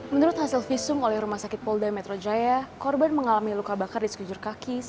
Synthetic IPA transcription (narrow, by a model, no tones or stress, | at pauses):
mənuɾʊt̪hasɪlfisʊmolɛhrumahsakɪt̪̚pɔldamɛt̪ɾod͡ʒajakɔrbanməŋalamilukabakardisə̥kud͡ʒʊrkakɪs